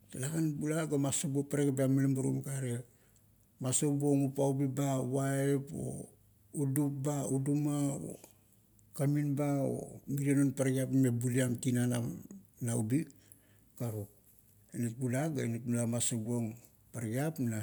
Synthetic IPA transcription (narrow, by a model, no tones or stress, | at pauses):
talakanbulaɡamasobuopaɾaɡapeamalembuɾo̰mɡaɾe | masobuoŋupaubibawaepo̰ | udup̚baudumao̰ | kaminbao̰miɾenonpaɾɡiapmebuliamkinananaubi | kaɾok̚ | enit̚bulaɡaenitmulamasobuoŋ | paɾɡiapna